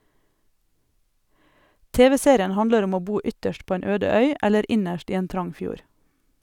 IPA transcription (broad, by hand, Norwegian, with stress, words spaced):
ˈteːʋɛ ˈseːɾɪən ˈhɑndləɾ ˈɔm ˈoː ˈbuː ˈʏtəʃt ˈpoː ˈeːn ˈøːdə ˈœʏ ˈɛləɾ ˈɪnəʃt ˈiː ˈeːn ˈtɾɑŋ ˈfjuːɾ